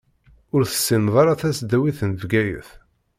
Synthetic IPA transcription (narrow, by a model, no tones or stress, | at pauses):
ʊɾθə̥sːinðˤɑɾˤaθæsd̪æwiθənvɡæjə̰θ